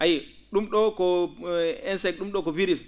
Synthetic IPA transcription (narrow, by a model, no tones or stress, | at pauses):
ʔaji | ɗumɗɔkɔ | ɛnsɛk̚ɗumɗɔkɔviɾis